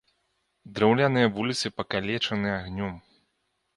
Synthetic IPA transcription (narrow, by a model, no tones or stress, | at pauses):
d̪ɾɛwlʲanɨjɐvulʲit̪sɨpɐkalʲɛt͡ʂɐnɨjaɣnʲɔm